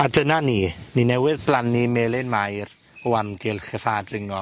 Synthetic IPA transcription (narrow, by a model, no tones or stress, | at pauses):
adənaniːninɛwɪðblˠanimeːlˠɪnmajr | ɔamɡɪlˠχɛfaːdrɪŋɔ